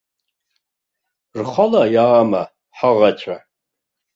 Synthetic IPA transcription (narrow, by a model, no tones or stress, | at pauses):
rχalajaːma | ħaʁat͡ʃʷʰa